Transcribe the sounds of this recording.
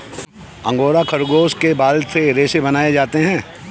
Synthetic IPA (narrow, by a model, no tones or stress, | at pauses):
ɐ̃ŋɡoːɾakʰɐɾɡoːskebaːlseɾeːʃebɐnaːed͡ʒaːt̪eɦɛ̃ː